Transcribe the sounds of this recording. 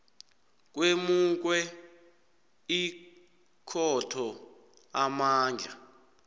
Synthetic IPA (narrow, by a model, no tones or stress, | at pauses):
k̬wemuk̬wɛ | i | kʰɔtʰɔ | amaːnd͡ɮʱa